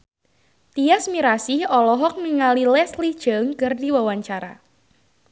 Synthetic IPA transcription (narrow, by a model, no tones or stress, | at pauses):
t̪iasmiɾasihɔlɔɦɔk̚niŋalilɛslid̥ʒ̥əŋkɨrdiwawaɲt͡ʃaɾa̰